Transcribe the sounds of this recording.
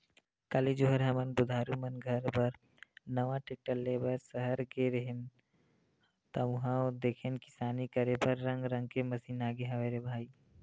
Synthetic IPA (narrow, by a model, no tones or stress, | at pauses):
kəlid͡ʒoɦəɾɦɐmənbʊd̪ʱaːɾumənɡʱɐɾbɐɾ | nɐʋãʈeʈəlːeːbəɾsəɦəɾkeɾəɦɪn | t̪ɐmɦãod̪eːkʰenkɪ̥saːnikɐɾepɐɾːɐ̃ŋɡɾɐ̃ŋɡ̚kemɐsiːnaːɡeɦɐʋeːɾebʱaːiː